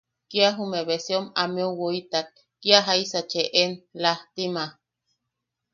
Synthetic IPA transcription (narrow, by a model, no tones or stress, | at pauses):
kiaɦumeβesiomameowoit̪ak̚ːiaɦaisat͡ʃeʔenlaht̪ima